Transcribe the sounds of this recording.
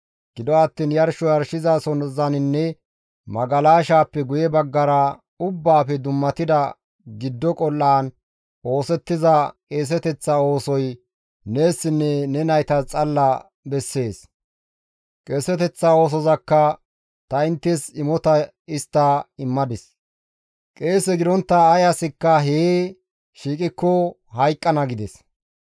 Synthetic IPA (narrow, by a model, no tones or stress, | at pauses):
ɡ̥ɪd̪ɔɐt̪ːiːnjɐɾʃɔjɐɾʃɪzaːsɔnzɐnɪnːɛ | mɐɡɐlaːʃaːpːɛɡʊjɛbɐɡːɐɾɐ | ʊbːaːfɛd̪ʊmːɐt̪ɪd̪ɐ | ɡɪd̪ːɔkʼɔlːaːn | o̞ːsɛt̪ːɪzɐkʼeːs̬ɛt̪ɛt͡sːao̞ːsɔj | neːsːɪnːɛnɛnɐjt̪ɐt͡sʼɐlːɐ | bɛsːe̞ːs | kʼe̞ːsɛt̪ɛt͡sːao̞ːs̬ɔzɐkːɐ | t̪ɐɪnt̪ːɛsɪmɔt̪ɐ | ɪst̪ːɐɪmːɐd̪ɪs | kʼe̞ːsɛɡɪd̪ɔnt̪ːɐːjasɪkːɐɦeː | ʃiːkʼɪkːɔ | hɐjkʼːɐnɐɡɪd̪ɛs